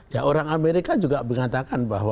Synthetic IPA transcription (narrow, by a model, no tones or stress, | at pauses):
jaʔoɾaŋameɾikad͡ʒuɡabəŋat̪akanbaɦwa